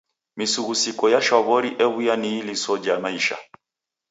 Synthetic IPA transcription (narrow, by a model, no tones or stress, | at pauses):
misuɣusikɔjaʃɔβɔɾiʔɛβujaniilisɔd͡ʒamaiʃa̰